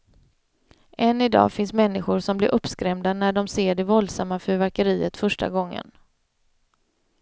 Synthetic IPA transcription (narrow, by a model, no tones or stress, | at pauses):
ʔɛnːɪd̪ɑ̰ːfɪnsmɛnːɪɧʊɾʂɔmblɪɾʔɵpskɾɛmd̪anæɖɔmseːɖɛvɔld̪samːafœɾvæɾkəɾiːət̪fœʂʈa̰ɡɔŋːə̰n